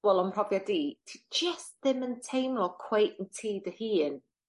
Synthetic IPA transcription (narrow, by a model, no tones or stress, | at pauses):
ɛlˠɔmr̥ɔvjadiːtʰid͡ʒəstðɪməntʰejmlˠɔkʰw̥ejʔn̩tʰiːdəhiːn